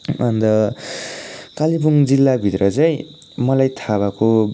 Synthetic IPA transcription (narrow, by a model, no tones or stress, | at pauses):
ʌnd̪ʌ | kalibuŋd͡zilːabʱit̪ɾʌt͡sʌj̃ | mʌlajt̪ʰaβako